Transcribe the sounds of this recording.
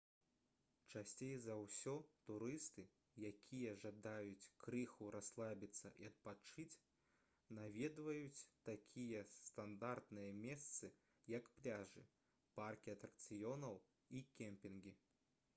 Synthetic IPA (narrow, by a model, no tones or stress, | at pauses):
t͡ʂasʲt͡sʲejzɐwsʲɔt̪uɾɨst̪ɨ | jakʲʰijɐʐad̪ajut͡sʲkɾɨxuɾaslˠabʲit̪sːɐʔiɐt̪̚pat͡ʂɨt͡sʲ | navʲɛd̪vɐjut͡sʲt̪akʲʰijɛst̪and̪art̪nɨjɐmʲɛst̪sɨ | jɐkplʲaʐɨ | parkʲiɐt̪ɾɐk̚t̪sɨjɔnɐw | ikʲɛmpʲinɡʲi